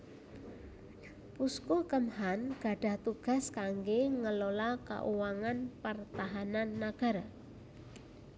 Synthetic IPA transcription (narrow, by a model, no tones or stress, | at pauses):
puskokəmhanɡ̥a̤ɖ̥a̤ht̪uɡ̥a̤skaŋɡeŋəlolaka̰ʔuwaŋanpərt̪aɦananːaɡ̥a̤ɾa